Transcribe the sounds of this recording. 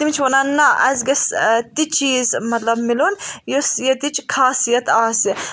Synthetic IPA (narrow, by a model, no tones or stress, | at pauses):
t̪imt͡ʃʰʋonaːnɐʔɐ̰zɡɐst̪it͡ʃiːzmɐt̪lɐbmilunjosjɐt̪it͡ʃʰkʰaːsijɐt̪aːsi